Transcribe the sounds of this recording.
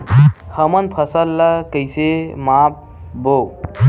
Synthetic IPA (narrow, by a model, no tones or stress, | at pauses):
həmɐnpʰəsəlːɐkəjsemap̚ | bo